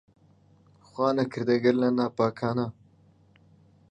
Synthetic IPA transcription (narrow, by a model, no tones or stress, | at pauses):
xwaːnɐkʰiɾd̪ɐɡɐɾlɐnaːpaːkʰaːna